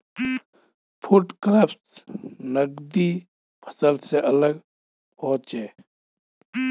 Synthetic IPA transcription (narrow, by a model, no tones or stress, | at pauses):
pʰuʈkɾəpsnəɡd̪i | pʰə̥səlseʔələɡ | pɔːt͡ʃeː